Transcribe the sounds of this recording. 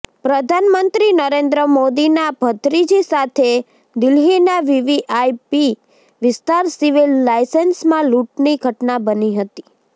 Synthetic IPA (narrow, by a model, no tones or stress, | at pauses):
pɾəd̪ʱanmənt̪ɾinəɾend̪ɾəmod̪inab̥ʱət̪ɾid͡ʒisat̪ʰe | d̪ɪlɦinaʋiʋiʔajpi | ʋɪst̪aɾsiʋilːajsensmãluʈniɡʱəʈnabəniɦət̪i̥